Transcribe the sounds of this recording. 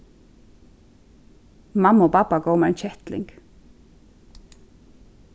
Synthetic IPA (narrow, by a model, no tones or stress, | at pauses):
mɑmoːpɑpɑɡoʊmɛːeɪnçɛt̪lɪ̰ŋɡ̥